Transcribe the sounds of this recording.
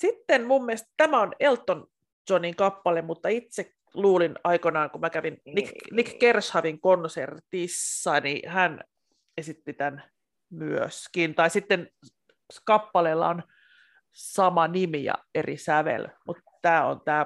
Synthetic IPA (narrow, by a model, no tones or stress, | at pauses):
sit̪ːenmumːiest̪t̪æmæonelt̪ːon | t͡ʃoniŋkɑpːɑlemmut̪ːɑit̪sek | luːlinɑikonɑːŋkumækæʋinniknikkershɑʋiŋkonsert̪isːɑnḭhæn | esit̪ːit̪æn | myø̰skint̪ɑisit̪ːen | kɑpːɑleːlːɑ̰on | sɑmɑnimijɑ̰erḭsæʋḛlmut̪ | t̪æːo̰nt̪æː